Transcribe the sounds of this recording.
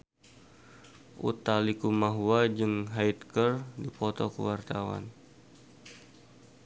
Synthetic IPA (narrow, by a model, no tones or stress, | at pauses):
ʔṵt̪alikumaɦuad͡ʒɨŋɦajt̪kərdipɔt̪ɔkəwart̪awa̰n